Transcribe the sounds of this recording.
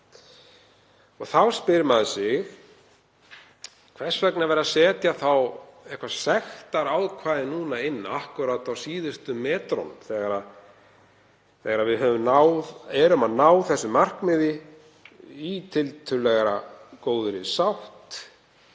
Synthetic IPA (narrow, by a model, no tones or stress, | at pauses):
ɔɣθawspɪɾmaðsɪɣ | kʰvɛr̥svɛknavɛɾasɛːt̪jaθawɛhkvasɛxt̪aɾawðkʰvaːðɪnuːnaɪnːahkʏɾat̪awsiːðʏst̪ʏmɛːt̪ɾɔ̰nθɛɣaɾa | θɛɣaɾaðvɪðɦœvʏmnawðɛɾʏmaðnaːwθɛsːʏmar̥kmɪðɪ | it̪ʰɪlt̪ʰʏlɛɣaɾa̰koːwðʏɾɪsawht̪